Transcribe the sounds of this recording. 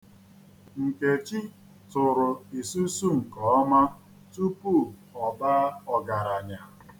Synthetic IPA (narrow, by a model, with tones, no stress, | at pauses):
ŋ̩˨ke˨t͡ʃi˦ | tʊ˨ɾʊ˨i˨su˦su˦ŋ̩˨kɔ˨ɔ˦ma˦ | tu˦pu˦˨ɔ˨ba˦ɔ˨ɡa˨ɾa˨ɲa˨